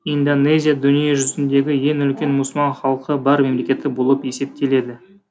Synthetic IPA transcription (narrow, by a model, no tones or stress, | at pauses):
ind̪one̞zʲijad̪ʊnijeʒʏzɪnd̪e̞ɡʲɪje̞ŋʏlkʲe̞nmuslˠmɑnχɑlˠqəbɑɾme̞mle̞kʲe̞t̪ɪbolˠəpje̞se̞p̚t̪e̞le̞d̪ɪ